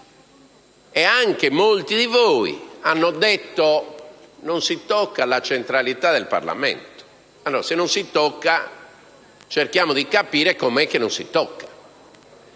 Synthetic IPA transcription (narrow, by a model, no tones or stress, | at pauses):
ɛaŋkemolt̪iðivoːḭanːod̪et̪ːo | nonsit̪ɔkːalat͡ʃent̪ɾalit̪ad̪elpa̰rla̰mḛnt̪o̥ | alːɔːɾasenːonsit̪ɔkːa | t͡ʃerkjaːmod̪ikapiːɾekomɛk̟ːenonsḭt̪ɔkːḁ